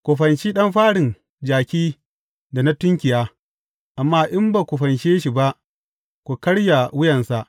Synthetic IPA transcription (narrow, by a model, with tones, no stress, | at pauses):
kʷu˨ɸɐ˨nt͡ʃiː˦ɗɐ˦mɸaː˦ɽɪ˨n | d͡ʒaː˨kʲiː˦ | da˨na˦tʊ˦ŋkʲɪ˨jaː˦ | ʔa˨mːaː˦ʔɪ˦mba˨kʷu˨ɸɐ˨nʃeː˦ʃi˨ba˦ʔ | kʷu˨kɐ˦ɽja˨wʊ˦jɐ˨nsa˨ʔ